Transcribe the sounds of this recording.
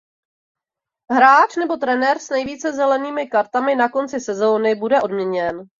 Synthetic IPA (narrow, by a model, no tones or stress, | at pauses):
ɦɾaːt͡ʃnɛbo̞t̪ɾɛnɛːɾsnɛjviːt͡sɛzɛlɛniːmɪkaɾt̪amɪnako̞nt͡sɪsɛzo̞ːnɪbudɛʔo̞dmɲɛɲɛn